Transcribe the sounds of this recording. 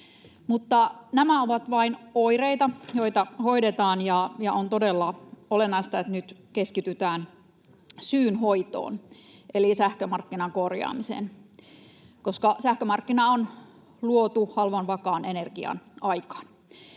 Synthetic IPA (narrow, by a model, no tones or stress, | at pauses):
mut̪ːɑnæmæoʋɑt̪ʋɑinoireit̪ɑjo̞it̪ɑhoidet̪ɑːnjɑjɑont̪odelːɑolenːɑist̪ɑet̪nyt̪keskit̪yt̪æːn | syːnɦoit̪o̰ːnʔelisæhkømɑrkːinɑŋkorjɑ̰ːmisḛn | koskɑsæhkømɑrkːinɑon | luot̪uhɑlʋɑnʋɑkɑːnenerɡ̥iɑ̰nʔɑikɑ̥ːn